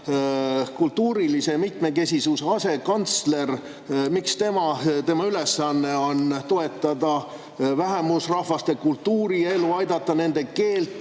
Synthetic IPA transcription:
kult̪ːuːɾilise̞mit̪me̞ke̞sʲisuseɑse̞kɑnt̪sle̞r | mikst̪e̞mɑt̪e̞mɑyle̞sːɑnːe̞o̞nt̪o̞e̞t̪ːˑɑd̪̥ɑ | væɦemusrɑhvɑst̪e̞kult̪ːuːɾie̞luɑjd̪̥ɑt̪ːˑɑne̞nd̪̥e̞ke̞ːlt̪ːˑ

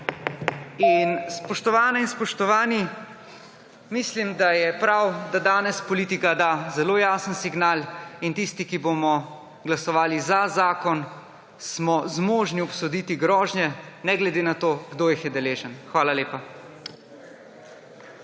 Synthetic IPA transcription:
inspɔʃt̪ɔʋaːnɛinspɔʃt̪ɔʋaːni | mislimd̪ajɛpɾawd̪ad̪aːnɛspɔliːt̪ikad̪azɛloːjaːsənsiɡnaːlint̪ist̪ikibomɔ | ɡlasɔʋaːlizazaːkɔn | smɔzmoːʒniɔpsɔd̪iːt̪iɡɾɔːʒnjɛnɛɡlɛd̪enat̪oːɡd̪oːjixjɛd̪ɛleːʒənxʋaːlaleːpa

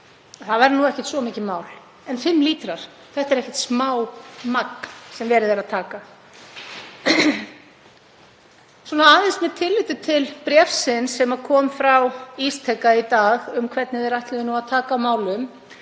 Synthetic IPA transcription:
θavɛɾnuɛhcɛ̥ht̪svɔmiːcɪmaːwl̥ | ɛnfɪmliːt̪ɾaɾ̥ | θɛht̪ɛɾɛhcɛ̥ht̪smaːwmaknsɛmvɛːɾɪðɛɾaðt̪ʰaːka | swɔːnaaːðɪnsmɛt̪ʰɪlːɪt̪ʏt̪ʰɪlpɾjɛfsɪnsːɛmakʰɔːmfɾawist̪ʰɛkːait̪aːɣʏmkʰvɛt̪nɪðɛɾajht̪lɪðʏnuaðt̪ʰaːkamaːwlʏm

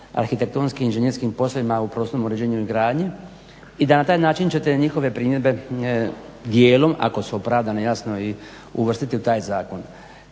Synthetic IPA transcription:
a̰ɾxit̪e̞k̚t̪oːnskiminʒeɲeɾskimpo̞slˠoʋimaupɾosnomuɾed͡ʑeːɲuizɡɾaːd̪ɲe | id̪anat̪aːjnaːt͡ʃint͡ɕet̪e̞ɲixo̞ʋe̞pɾiːmjed̪be̞ | d̪jeːlo̞ma̰ko̞suopɾaʋd̪anejasno̞i | ṵʋr̩st̪it̪iut̪aːjzaːko̞n

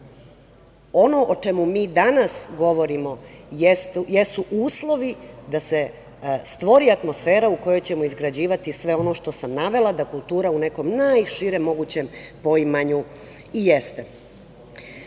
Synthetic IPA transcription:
o̞no̞ʔot͡ʃemumiːd̪anasɡo̞ʋo̞ɾimo̞jesjesuʔuːslˠo̞ʋid̪ase | st̪ʋo̞ɾiat̪mo̞sfeːɾauko̞jo̞jt͡ɕe̞moizɡɾad͡ʑiːʋat̪isʋe̞o̞no̞ʃt̪o̞samnaʋe̞lˠad̪akulˠt̪uːɾaune̞ko̞mnajʃiɾe̞mo̞ɡut͡ɕe̞mpo̞imaɲu | ijest̪e

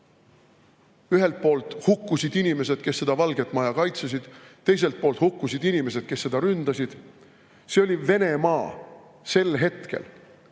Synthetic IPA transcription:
yɦe̞lt̪̚po̞ːlt̪ˑhukːusʲid̪̥inime̞se̞d̪̥ke̞sːe̞d̪̥ɑvɑlɡ̥e̞t̪ːˑmɑjɑkɑjt̪ses̬ʲid̪̥t̪ːe̞js̬e̞lt̪̚po̞ːlt̪hukːusid̪inime̞se̞d̪̥̚ke̞sːe̞d̪̥ɑɾynd̪̥ɑsid̪̥ | se̞o̞lʲive̞ne̞mɑː | se̞lɦe̞t̪ke̞̰l

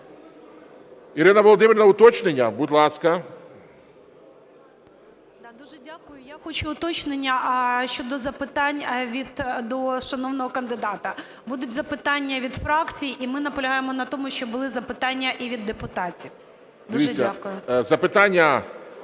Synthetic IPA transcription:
iɾɪnɐʋɔlˠɔd̪ɪmʲɪɾʲnɐʊt̪ɔt͡ʃnenʲːɐbud̪ʲlˠɑskɐ | d̪ɑd̪uʒɛdʲakʊjʊjaxɔt͡ʃʊʊt̪ɔt͡ʃnenʲːɐʃt͡ʃɔd̪ɔzɐpɪt̪ɑnʲʋʲid̪d̪ɔʃɐnɔwnɔɦɔkɐnd̪ɪd̪ɑt̪ɐ | bud̪ʊtʲzɐpɪt̪ɑnʲːɐʋʲid̪fɾɑkt͡sʲijiʔimɪnɐpɔlʲɐɦɑjemɔnɐt̪ɔmʊʃt͡ʃɔbʊlˠɪzɐpɪt̪ɑnʲːɐʔiʋʲid̪ːepʊt̪ɑtʲiw | d̪ɐʋiːɐakʊjʊzɐpɪt̪ɑnʲːɐ

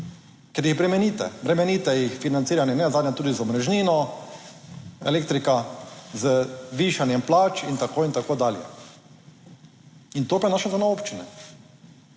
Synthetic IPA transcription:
kɛɾjiɣbɾɛmɛniːt̪ɛ̰bɾɛmɛnit̪ɛjixfinant̪siːɾanjɛnɛzad̪njat̪uːd̪izɔmɾɛʒniːnɔ | ɛ̰leːk̚t̪ɾikazəʋiʃanjɛmplaːt͡ʃint̪akoːint̪akoːd̪aːljɛ̰ | int̪oːpajnaːʃɛzanaoːpt͡ʃinɛ̰

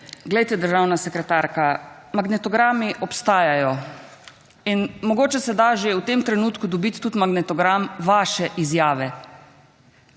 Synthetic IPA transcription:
ɡlɛjt̪ɛd̪əɾʒaːwnasɛkɾɛt̪aɾka | maɡnɛt̪ɔɡɾaːmiʔɔpst̪aːjajɔ | inmɔɡoːt͡ʃɛsɛd̪aʒeut̪emt̪ɾɛnuːt̪kud̪ɔbit̪ːut̪maɡnɛt̪ɔɡɾamʋaːʃɛʔizjaːʋɛ

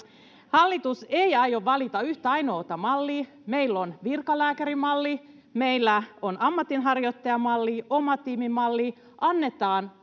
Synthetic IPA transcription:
hɑlːit̪usejɑjoʋːɑlit̪ɑyht̪æɑjno̞ːt̪ɑmɑlːi | me̞ilːonʋirkɑlæːkæɾimɑlːi | me̞ilːæonʔɑmːɑt̪inɦɑrjot̪ːɑjɑmɑlːiomɑt̪iːmimɑlːi | ʔɑnːe̞t̪ɑːn

